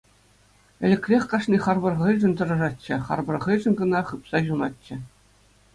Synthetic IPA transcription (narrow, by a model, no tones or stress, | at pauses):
ɘ̆lʲɘ̆kʲrʲexʲkɑʂnʲiχɑrbɤ̆rʁɯlʲʐɘ̆nʲt̪ɤ̆ɾɤ̆ʐɑtʲt͡ɕːɘ̆χɑ̰rbɤ̆rʁɤ̆lʲʐɘ̆nɡɤ̆nɑχɯpsɑʑunɑtʲt͡ɕːɕɘ̆